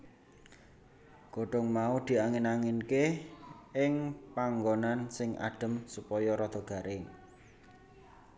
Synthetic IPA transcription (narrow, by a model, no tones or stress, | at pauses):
ɡ̥oɖ̥ɔŋmaud̪̥i̤aŋɪnaŋɪnke | ɪŋpaŋɡonansɪŋʔa̰ɖ̥ə̤msupɔjɔɾɔd̪̥ɔ̤ɡ̥a̤ɾʔɪŋ